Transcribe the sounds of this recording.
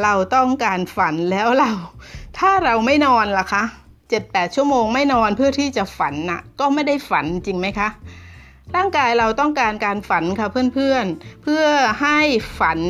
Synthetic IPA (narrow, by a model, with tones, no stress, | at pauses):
ɾa˧wt̪ɔ˥˩ŋkaː˧nfa˩˦nlɛː˦˥wɾa˧wt̪ʰaː˥˩ɾa˧wma˥˩jnɔː˧nla˨˩kʰa˦˥ʔ | t͡ɕe˨˩t̪̚pɛː˨˩t̪̚t͡ɕʰu˥˩əmoː˧ŋma˥˩jnɔː˧npʰɯ˥˩ɐt̪ʰiː˥˩t͡ɕa˨˩fa˩˦nʔa̰˨˩kɔː˥˩ma˥˩jda˥˩jfa˩˦n˧t͡ɕi˧ŋma˦˥jkʰa˦˥ʔ | ɾaː˥˩ŋkaː˧jɾa˧wt̪ɔ˥˩ŋkaː˧nkaː˧nfa˩˦nkʰa˧˥˩pʰɯ˥˩ənpʰɯ˥˩ənpʰɯ˥˩ɐəɦa˥˩jfa˩˦n